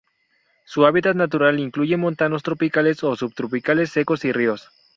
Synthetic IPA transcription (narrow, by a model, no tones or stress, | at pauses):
suaβit̪at̪nat̪uɾaliŋkluʝe̞mõ̞nt̪ano̞st̪ɾo̞pikaleso̞subt̪ɾopikale̞sːe̞ko̞sirios